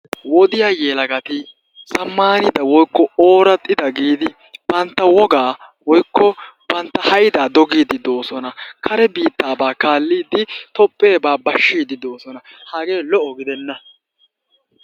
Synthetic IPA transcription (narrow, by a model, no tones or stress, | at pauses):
wɔd̪ɪjaːjeːlɐɡɐt̪ɪ | sɐmːaːnɪd̪ɐwɔjkːɔoːɾɐt̪ʼːɪd̪ɐɡiːd̪ɪ | b̥ɐnt̪ːɐwɔɡaːwɔjkːɔb̥ɐnt̪ːɐhɐjd̪aːd̪ɔɡiːd̪ɪd̪oːsɔnɐkʰɐɾɛbiːt̪ːaːbaːkaːlːiːd̪ɪt̪ɔpʼːe̞ːbaːbɐʃːiːd̪ɪd̪o̞ːsɔnɐhaːɡe̞ːlɔʔɔɡɪd̪ɛnːɐ